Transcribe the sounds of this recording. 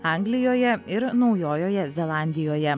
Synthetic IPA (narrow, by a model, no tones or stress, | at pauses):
ɑˑŋɡlʲɪjoːjɛɪɾnɒʊjoːjoːjɛzʲɛlˠɑˑnʲd̪ʲɪjoːjɛ